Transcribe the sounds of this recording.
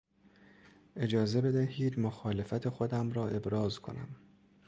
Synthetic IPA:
ʔe̞d͡ʒɒːze̞be̞d̪æhiːd̪moxɒːle̞fæt̪ʰe̞xo̞d̪æmɾɒːʔe̞bɾɒːzkʰo̞̰næ̰m

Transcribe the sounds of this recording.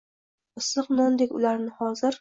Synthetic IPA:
ɨsːɨqnɒnd̪ekʲʊ̰laɾnɪhɒzɪɾ

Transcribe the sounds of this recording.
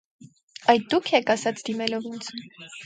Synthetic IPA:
ɑjd̪d̪ukʰɛkʰɑsɑt͡sʰd̪imɛlɔvunt͡sʰ

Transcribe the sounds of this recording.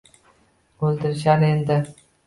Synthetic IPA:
ɵlˠd̪ɪɾɪʃaɾend̪ɪ

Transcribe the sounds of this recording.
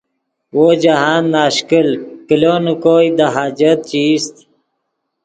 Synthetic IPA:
wod͡ʑaɦaːnːaːɕkəlkilonukoːjd̪aɦaːd͡ʑət̪̚t͡ɕiːst̪

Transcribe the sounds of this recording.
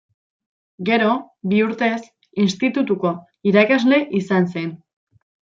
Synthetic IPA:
ɡe̞ɾo̞ | biuɾt̪e̞s | inst̪it̪ut̪uko̞ | iɾakazle̞ʔisanse̞n

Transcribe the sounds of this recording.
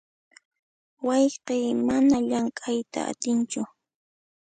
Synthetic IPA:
wɑjqemanaʎaŋkʼajt̪a̰a̰t̪ɪnt͡ʃʊ

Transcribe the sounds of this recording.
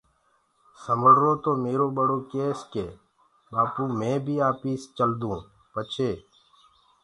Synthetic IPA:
səməɽɾoːt̪oːmeːɾoːɓəɽoːkeːskeː | ɓaːpuːmẽːbʱiːaːpiːst͡ʃəld̪ũː | pət͡ʃʰeː

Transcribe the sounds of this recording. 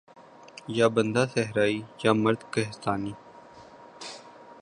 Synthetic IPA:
jaːbənd̪aːsɛɦɾaːijaːməɾd̪kɐɦɪst̪aːniː

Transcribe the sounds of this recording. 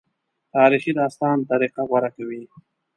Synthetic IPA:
t̪ɑːɾixid̪ɑːst̪ɑːnt̪aɾiqaɣwaɾakawi

